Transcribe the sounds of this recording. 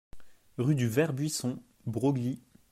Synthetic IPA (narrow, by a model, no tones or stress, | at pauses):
ʁyd̪yvɛʁbɥisɔ̃ | bʁoɡli